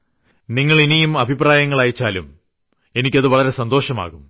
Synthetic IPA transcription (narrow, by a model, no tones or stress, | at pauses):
niŋːɐɭinijumɐbʱipraːjɐŋːɐɭaːjit͡ɕːaːlum | e̞nikʲːɐðɨʋɐɭɐɾe̞sɐnd̪oːʂɐma̰ːɣum